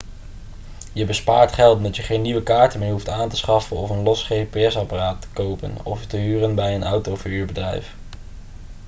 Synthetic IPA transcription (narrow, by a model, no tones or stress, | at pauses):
jəbəspaːɹtχɛlˠtdɑtjəχejnːiʋəkaːɹtəmɪːɹɦuftaːntə̥sχɑfənɔfənlɔsχejpeɛsɑparaːtːə̥kowpə̰nɔ̰ftəɦyːrənbɛjənɑwtowfiyːɹbədrɛ̰jf